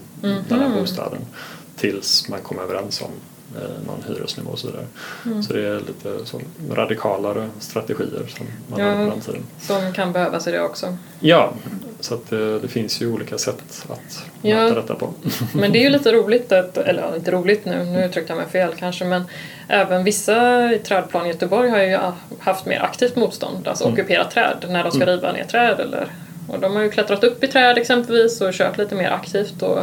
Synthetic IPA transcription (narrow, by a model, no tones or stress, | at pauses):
d̪ɛbuːst̪ʰɑ̰ːd̪ənt̪ʰɪlsmankʰɔmːøvəɾɛnsɔ̰m | nɔ̰nhy̰ːɾə̰snɪvo̰ːɔsɔvḭːd̪a̰ɾəsɔd̪ɛæɭiːt̪ʰəso̰ːɾad̪ɪkʰɑːlaɾst̪ɾat̪ɛɧḭːə̰ɾʂɔmːanɾant̪ʰiːd̪ənsɔmkʰanbɛhøːvasɪd̪ɛ̰ɔksɔ | jɑːsɔat̪d̪d̪ɛfɪnsjɵuːliːkasɛt̪ːat̪ː | aɾɛt̪ːapʰɔmɛnd̪ɛæɾjɵliːt̪əɾuːlɪt̪at̪ɛ̰lːəɾ̰ɪnt̪əɾuːlɪt̪nʉ̟̰ːnʉ̟ʉːt̪ʰːɾʏkt̪əjamɛjfeːlkʰanʂəmɛn | ʔɛːvənvɪsːaɪt̪ʰɾɛːd̪̚pʰlɑːnjœt̪əbɔɾjɦaɾjɵhaft̪mḛːɾʔa̰kt̪ʰiːft̪muːt̪st̪ɔ̰nd̪a̰lsɔɔkɵpʰeːɾa̰t̪ʰːɾɛ̰ːd̪næɖɔmskaɾiːva̰nḛːʈ̪ʰɾɛːd̪ɛ̰lːə̰ɾ | ɔ̰d̪ɔmhaɾjɵkʰlɛt̪ɾat̪ɵpːɪt̪ʰɾɛːd̪ɛksɛmpɛlviːsɔɕø̰ːʈliːt̪əmeːɾʔa̰kt̪ʰiːft̪ɔ